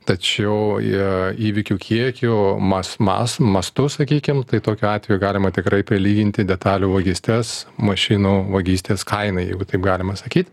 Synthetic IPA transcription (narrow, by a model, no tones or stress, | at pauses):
t̪ɐt͡ʃʲɛʊɪiːʋʲɪkʲuːkʲʰiɛkʲʊmɐsmɑ̰smɐst̪ʊsɐkʲiːkʲɪmt̪ɐɪt̪oːkʲʊɑːt̪ʲʋʲɛjuɡɑːlʲɪmɐt̪ʲɪkɾɐɪpʲɾʲɪlʲiːɡʲɪnʲt̪ʲɪd̪ʲɛt̪ɑːlʲuːʋɐɡʲisʲt̪ʲɛsmɐʃʲɪnuːʋɐɡʲiːsʲt̪ʲeːskʰɐɪnɐjɛɪɡʊt̪ɐɪpɡɑːlʲɪmɐsɐkʲiːt̪ʲ